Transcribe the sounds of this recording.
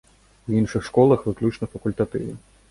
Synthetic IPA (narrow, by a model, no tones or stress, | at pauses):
winʂɨxʂkɔlˠɐxʋɨklʲut͡ʂnɐfɐkulʲt̪at̪ɨ̰wɐ